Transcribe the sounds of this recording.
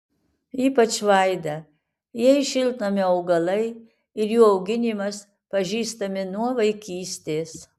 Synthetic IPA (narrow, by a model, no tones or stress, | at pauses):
iːpɐt͡ʃʋɐɪd̪ɐ | jiɛɪʃʲɪlˠt̪nɐmʲɪɐʊɡɐlˠɐɪ | ɪɾjuːɐʊɡʲɪnʲimɐs | pɐʒʲiːst̪ɐmʲɪnuɔʋɐɪkʲiːsʲt̪ʲeːs